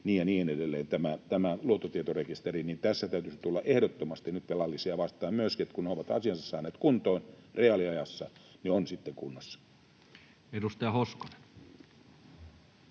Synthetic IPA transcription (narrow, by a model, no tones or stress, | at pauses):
niːjɑniːenedelːeːnt̪æmæt̪æmæluot̪ːot̪iet̪orekist̪erinint̪æsːæt̪æyt̪ysit̪ulːɑʔehdot̪ːomɑst̪inyt̪pelɑlːisiɑʋɑst̪ˑɑːmmyøskiet̪kunneoʋɑt̪ɑ̰siɑnsɑssɑ̰ːneːt̪kunt̪oinreɑliɑjɑsːɑneonsit̪ːeŋkunːɑsːɑ̥ | edust̪ɑjɑhoskone̥n